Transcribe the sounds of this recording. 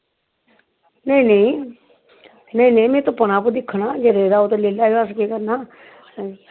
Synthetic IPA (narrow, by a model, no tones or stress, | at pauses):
nəĩːnəĩː | nəĩːnəĩmẽːt̪õːpənaːpod̪ɪkʰːnaːd͡ʒeɾeːɾaːot̪õleːlaːiaskekəɾnaː